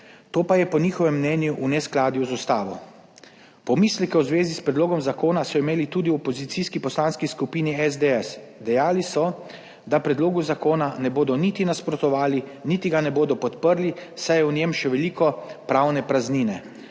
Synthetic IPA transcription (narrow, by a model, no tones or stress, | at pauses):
t̪oːpajɛpɔniːxɔʋɛmːnɛːnjuʔunɛsklaːd̪juwzust̪aːʋɔ | pɔmislɛkɛwzʋeːzispɾɛd̪loːɡɔmzakoːnasɔimeːlit̪uːd̪iɔpɔzit̪siskipɔslanskiskupiːniɛzd̪eɛs | d̪ɛjaːlisɔ | d̪apɾɛd̪loːɡuzakoːnanɛboːd̪ɔnit̪inaspɾɔt̪ɔʋaːlinit̪iɡanɛboːd̪ɔpɔt̪pəɾlisajɛwnjɛmʃɛʋɛliːkɔpɾawnɛpɾazniːnɛ